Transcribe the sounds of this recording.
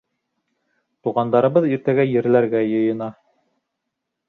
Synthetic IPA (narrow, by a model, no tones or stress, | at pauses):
t̪uʁɑnd̪ɑɾɤ̆βɤðiɾt̪æɡæjɘ̆ɾlæɾɡæjɤ̆jɤ̆nɑ